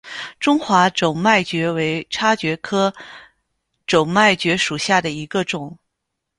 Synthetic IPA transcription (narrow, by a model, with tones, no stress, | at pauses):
ʈ͡ʂʊ˥ŋxwa˧˥ʈ͡ʂo˨˩ʊma˥˩ɪt͡ɕɥɛ˧˥we˧˥ɪʈ͡ʂʰa˥t͡ɕɥɛ˧˥kʰɤ˥ | ʈ͡ʂo˨˩ʊŋma˥˩ɪt͡ɕɥɛ˧˥ʂu˨˩ɕja˥˩d̪ə˩i˧˥ɡə˧ʈ͡ʂʊ˨˩˦ŋ